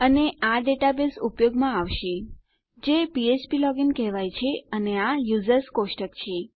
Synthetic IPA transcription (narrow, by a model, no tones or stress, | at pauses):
əneaɖeʈabesupjoɡmãaʋʃe | d͡ʒepiet͡ʃpilɔɡinkɛɦʋajt͡ʃʰeəneajuzəɾskosʈəkt͡ʃʰe